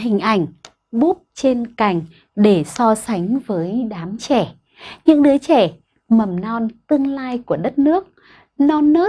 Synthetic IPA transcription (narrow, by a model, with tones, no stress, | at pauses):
hï˨˩ŋ̟ʔa˧˩jŋ̟ | ɓu˦˥p̚t͡ɕe˧nka˧˩jŋ̟ | ɗe˧˩sɔ˧sa˨˦jŋ̟vəː˨˦jɗaː˨˦mt͡ɕɛ˧˩ | ɲɨ̰˧˥ŋɗɨ˨˦ət͡ɕɛ˧˩ | mə˨˩mnɔ˧nt̪ɨ˧əŋlaː˧jku˧˩əɗə˦˥t̚nɨ˦˥ək̚ | nɔ˧nːəː˦˥